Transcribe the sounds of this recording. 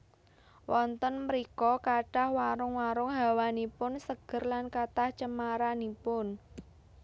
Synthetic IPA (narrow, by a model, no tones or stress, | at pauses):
wʔɔnt̪ɔnməɾikɔkaɖ̥a̤hwaɾʊŋwaɾʊŋɦa̤wanipʊnsəɡ̥ə̤rlankat̪aht͡ʃəmaɾanipʊn